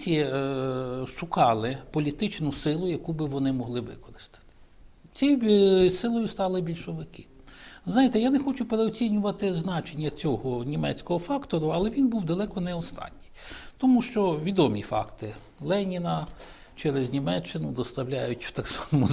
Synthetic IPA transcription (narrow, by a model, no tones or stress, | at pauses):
sʲijɛ | ʃʊkɑlˠɪpɔlʲit̪ɪt͡ʃnʊsɪlˠʊjɐkubɪʋɔnɪmɔɦlˠɪʋɪ̰kɔɾɪ̥st̪ɪ̥t̪ɪ̥ | t͡sʲijsɪlˠɔjʊst̪ɑlˠɪbʲilʲʃɔʋɪkɪznɑjɪt̪ɛjanexɔt͡ʃʊpeɾeɔt͡sʲinʲʊʋɐt̪ɪznɑt͡ʃenʲːɐt͡sʲɔɦɔnʲimɛ̰t͡sʲkɔɦɔfɑkt̪ɔɾʊɐlˠɛʋʲinbuwd̪ɐlˠɛkɔnɛɔst̪ɑ̰nʲːijt̪ɔmuʃt͡ʃɔʋʲid̪ɔmʲifɑ̰kt̪ɪ | lˠɛnʲinɐ | t͡ʃɛɾeznʲimɛt͡ʃːɪnʊd̪ɔst̪ɐwlʲajʊtʲt̪ɑɡzʋɑnɔmʊ